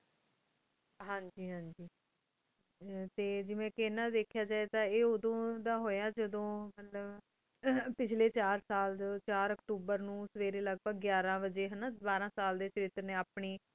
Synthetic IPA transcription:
ɦãːɲd͡ʒiːɦãːd͡ʒiː | t̪eːd͡ʒɪʋẽːkeːnãːd̪eːkʰjaːd͡ʒaːeːt̪ãːeːoːd̪õːd̪aːɦoːjaːd͡ʒəd̪õːmət̪ləb | pɪt͡ʃʰleːt͡ʃaːɾsaːld̪t͡ʃaːɾəkʈuːbəɾnũːsəʋeːɾeːləɡ̚pəɡjaːɾãːbəd͡ʒeːɦənaːbaːɾãːsaːld̪eːt͡ʃəɾɪːt̪əɾnẽːaːpɳiː

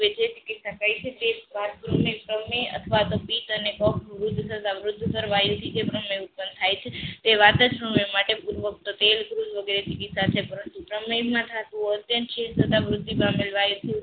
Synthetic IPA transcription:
ed͡ʒet͡ʃikit̪sakəjt͡ʃʰet̪eʋat̪pɾəmepɾəmeə̰t̪ʰəʋat̪opit̪ənekɔkʰʋɾud̪ʱːt̪ʰət̪aʋɾʊd̪ʱːkəɾʋajt̪ʰid͡ʒepɾəmeut̪̚pənd̪t̪ʰajt͡ʃʰet̪eʋat̪ət͡ʃɾəmemaʈepuɾʋək̚t̪ot̪elkɾud͡ʒʋəɡeɾet͡ʃikit̪sat͡ʃʰepəɾənt̪upɾəmemãt̪ʰat̪ũət̪jənʃest̪ʰət̪aʋɾʊd̪ʱːibãmelʋajt̪ʰi

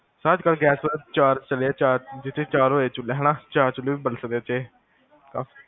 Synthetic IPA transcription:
səd͡ʒkəlɡɛːsət͡ʃaːɾt͡ʃəleaːt͡ʃaːɾd͡ʒɪt̪ʰːeːt͡ʃaːɾoːeːt͡ʃʊlɛɦɛːnãːt͡ʃaːɾt͡ʃʊleːʋiːbəlsək̚d̪eːt͡ʃeː | kaːfi

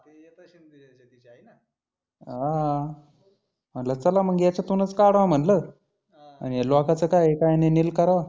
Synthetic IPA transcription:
ɦa | m̤əɳlat͡səlaməɡjat͡ɕat̪unət͡skaɽʋam̤əɳlə | a̰ñijelokat͡səkajekajanenilkəɾʋa

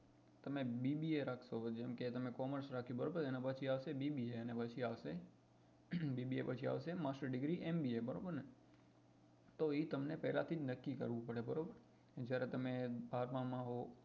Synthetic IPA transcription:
t̪əmebibieɾakʰʃod͡ʒɛmket̪əmekɔməɾsɾakʰjũbəɾobəɾenapət͡ʃʰiaʋʃebibieənepət͡ʃʰiaʋʃe | bibiepət͡ʃʰia̰ʋʃemasʈəɖɪɡɾiʔembiebəɾo̰bəɾne | t̪oit̪əmnepɛɦlat̪ʰid͡ʒnəkːikə̰ɾʋũpəɽebəɾobəɾ | d͡ʒjaɾet̪əmebʱaɾmãmãɦo

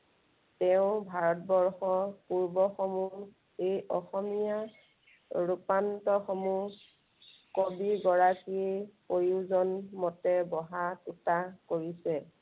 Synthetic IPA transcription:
tɛʊ̃bʱaɹɔt̚bɔɹxɔpuɹbɔxɔmu | ejʔɔxɔmija | ɹupantɔxɔmu | kobiɡɔɹakipojuzɔnmɔtɛbɔɦatutakoɹisɛ

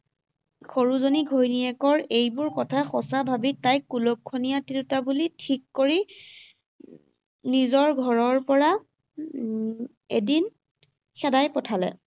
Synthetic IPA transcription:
xoɹuzoniɡʱojniɛkɔɹejbʊɹkɔtʰaxɔsabʱabitːajkːulokʰːonijatiɹutabulitʰikːoɹi | nizɔɹɡʱɔɹɔɹpɔɹa | edin | xɛdajpɔtʰalɛ̰

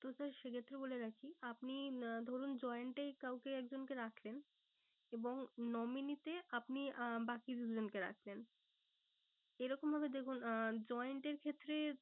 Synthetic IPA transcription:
t̪osaɾʃekʰet̪ːɾeboleɾakʰiapnid̪ʱɔɾund͡ʑɔeɳʈajkawkeɛkd͡ʑonkeɾakʰlen | eboŋnɔminit̪eapnibakid̪ud͡ʑonkeɾa̰kʰlen | eɾɔkombʱabed̪ekʰund͡ʑɔjɳʈeɾkʰet̪ːɾe

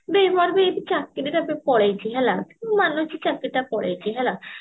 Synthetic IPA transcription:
bemɔɾbeebit͡ʃakːiɾiʈapepɔɽejt͡ʃʰiɦɛlamanut͡ʃit͡ʃakːiʈapɔɽḛjt͡ʃʰiɦɛla

